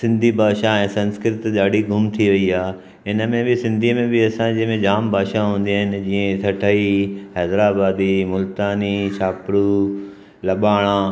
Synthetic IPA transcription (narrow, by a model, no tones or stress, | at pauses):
sɪ̃nd̪ʱibʱaːʃaɛ̃ːsɐ̃nskɾɪt̪ɗaːɽiɡʱʊmt̪ʰiʋɐiaː | ɪnəmẽbɪsɪ̃nd̪ʱiəmẽbɪɐsãd͡ʑĩmẽd͡ʑaːmbʱaːʃaɦũːn̆d̪iaːɦɪnɪ̆d͡ʑiːə̃t̪ʰɐʈʰaiɦɛːd̪ɾaːbaːd̪imʊlt̪aːnit͡ɕʰaːpɽu | lɐɓaːɽ̃ãː